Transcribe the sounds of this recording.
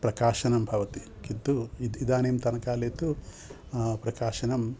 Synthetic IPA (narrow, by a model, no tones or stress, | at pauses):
pɾɐkaːʃɐnɐmbʱɐʋɐt̪i | kint̪uid̪id̪aːneːmt̪ɐnɐkaːleːt̪u | pɾɐkaːʃɐnɐm